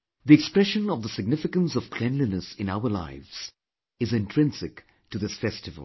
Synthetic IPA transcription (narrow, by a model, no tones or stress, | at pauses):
ðiɛkspɹɛʃə̃nɔvd̪əsɪɡ̚nɪfɪkə̃nsɔv̥kʰlɛ̃nlinəsɪ̃naʊə˞la̰ɪvz̥ | ɨzɪ̃ntʰɾ̥ɪ̃nsɪk | ʈɨðɪsfɛstɨvə̰l̩ˠ